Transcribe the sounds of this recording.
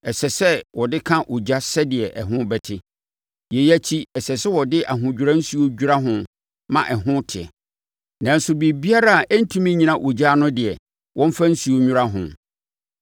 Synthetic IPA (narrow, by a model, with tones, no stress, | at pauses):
ɛ˨sɛ˨sɛ˦wɔ˨dɪ˦kʰã˦ʔo˨d͡ʑa˦sɛ˦dɪ˨ɛ˨ʔɛ˨ɦʊ̃˦bɛ˨tʰɪ˦ | je˨jæ˦t͡ɕʰi˦ɛ˨sɛ˨sɛ˦wɔ˨dɪ˦ʔa˨ɦʊ̃˨d͡ʑᶣu˨ɾã˦n̩˦su˨o˦d͡ʑᶣu˦ɾa˦ɦʊ̃˨ | mã̰˦˨ʔɛ˨ɦʊ̃˦tʰɪ˨ɛ̰˨ | nã˨n̩˦sʊ˨˦bi˨bi˦a˦ɾa˦a˨ʔɛ˦n̩˦tʰũ˦mĩ˦ɲĩ˨nã˦ʔo˨d͡ʑa˦nʊ̃˦dɪ˨ɛ˨ | wʔɔ̃˦m̩˦fa˦n̩˦su˨o˦ɲũ˦ɾa˦ɦʊ̰̃˨